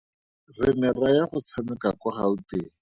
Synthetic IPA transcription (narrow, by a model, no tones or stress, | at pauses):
rɪnɛrajaχʊt͡sʰamɪkakɔχauteː